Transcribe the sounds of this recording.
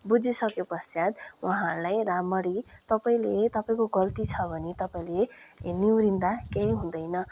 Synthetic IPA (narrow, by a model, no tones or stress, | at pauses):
bud͡zisʌkjepʌsjad̪wʌɦãrlajramʌɾi | t̪ʌpaĩlet̪ʌpaĩkoɡʌlt̪it͡sʰʌbʱʌnit̪ʌpaĩle | niwɾind̪akej̃ɦũd̪ʌjnʌ